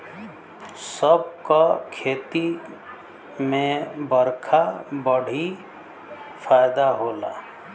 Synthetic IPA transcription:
səb̚kakʰeːt̪i | mẽbəɾkʰabəɽ̤i | pʰaːjd̪aɦoːla̰ː

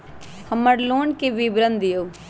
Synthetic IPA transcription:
həməɾloːɳkeʋibɾənd̪ɪjoː

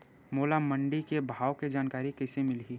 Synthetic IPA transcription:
moːlamɐ̃ɳɖikebʱaːwked͡ʒaːnkaːɾikɛɪsemɪlɦiː

